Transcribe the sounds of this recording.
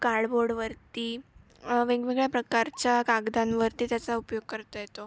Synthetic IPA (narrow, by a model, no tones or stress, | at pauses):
kaɽboɾɽʋəɾt̪iː | ʋeɡʋeɡɭjapɾəkaɾt͡ɕakaɡd̪anʋəɾt̪iːt̪jat͡saupjoɡ̚kəɾt̪ajet̪o